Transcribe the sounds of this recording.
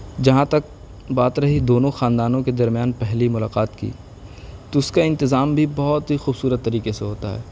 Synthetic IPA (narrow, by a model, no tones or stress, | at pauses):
d͡ʒɐɦãt̪ɐk̚ | baːt̪ɾɐɦid̪oːnõxãːnd̪aːnõked̪ɐɾmjaːnpɛɦlimʊlaːqaːt̪kḭː | t̪oʊskaɪ̃nt̪ɪzaːmbʱibɐɦʊt̪ɦixuːbsuːɾət̪ːɐɾiːkeseɦoːt̪a̰ɦɛ̰ː